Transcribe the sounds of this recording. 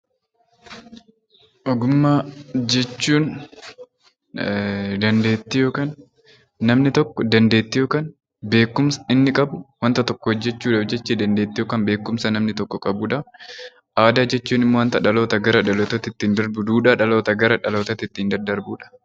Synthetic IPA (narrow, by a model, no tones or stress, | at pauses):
ʔɔɡʊmːaːd͡ʒɛt͡ʃːuːn | d̪ɐnd̪e̞ːt̪ːɪjoːkaːnː | ɐmnɪt̪ɔkːɔd̪ɐnd̪e̞ːt̪ːɪjoːkaːn | be̞ːkːʊmsɐ̥ɪnːɪkʼɐbʊwɐnt̪ɐt̪ɔkːɔhɔd͡ʒːɛt͡ʃːuːᶑɐfd͡ʒɛt͡ʃːɛd̪ɐnd̪eːt̪ːɪjoːkaːnbe̞ːkːʊmsɐnɐmnɪt̪ɔkːɔkʼɐbuːᶑɐ | ʔaːd̪aːd͡ʒɛt͡ʃːuːnɪmːowɐnt̪ɐᶑɐlo̞ːt̪ɐɡɐɾɐᶑɐloːt̪ɐt̪ɪt̪ːiːnd̪ɐɾbʊd̪uːᶑaːᶑɐlo̞ːt̪ɐɡɐɾɐᶑɐlo̞ːt̪ɐt̪ɪt̪ːiːnd̪ɐd̪ɐɾbuːᶑɐ̥